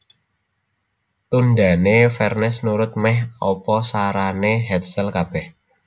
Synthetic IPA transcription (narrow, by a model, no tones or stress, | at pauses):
t̪und̪a̤nefɛrnɛsnuɾʊt̪̚mɛhɔpɔsaɾaneɦɛt̪sɛlkab̥ɛh